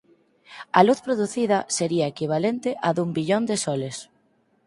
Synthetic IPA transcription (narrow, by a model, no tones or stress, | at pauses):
ɐluθpɾoðuθiðɐseɾiɐekiβ̞alent̪ɪʔaðumbiʎond̪ɪsɔles